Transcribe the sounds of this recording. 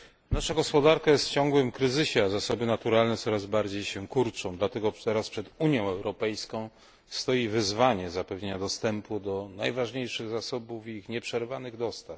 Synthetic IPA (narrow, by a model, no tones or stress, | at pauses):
naʂaɡɔspɔd̪aɾkajɛst̪t͡ɕɔ̃ŋɡwɘmkɾɘzɘɕɛazasɔbɘnat̪uɾalnɛt̪sɔɾazbaɾd͡ʑejɕɛkuɾt͡ʂɔ̃w̃d̪lat̪ɛɡɔt̪ɛɾaspʂɛd̪uɲjɔ̃w̃ɛwɾɔpɛjskɔ̃w̃ | st̪ɔjivɘzvaɲɛzapɛvɲeɲad̪ɔst̪ɛmpud̪ɔnajvaʐɲejʂɘɣzasɔbuvixɲɛpʂɛɾvanɘɣd̪ɔst̪af